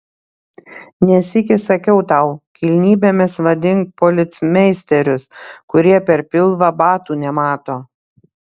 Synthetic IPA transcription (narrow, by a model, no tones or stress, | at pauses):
nʲɛsɪkʲɪsɐkʲɛʊt̪ɑʊkʲilʲnʲiːbʲeːmʲɪsʋɐd̪ʲɪŋk̚polʲɪt̪sʲmʲɛɪsʲt̪ʲɛɾʲʊskʊɾʲiɛpʲɛɾpʲɪlˠʋɐbɑːt̪uːnʲɛmɑːt̪oː